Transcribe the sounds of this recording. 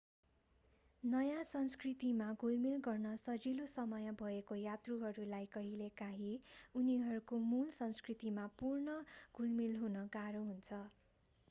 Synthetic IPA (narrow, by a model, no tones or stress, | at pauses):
nʌjãsʌnskrit̪imaɡʱulmilɡʌrnʌsʌd͡zilosʌmʌjʌbʱʌekojat̪ruɦʌɾulajkʌɦilekaɦiuniɦʌɾukomulsʌnskrit̪imapurnʌɡ̥ʱulmilɦunʌkaɾoɦunt͡sʰʌ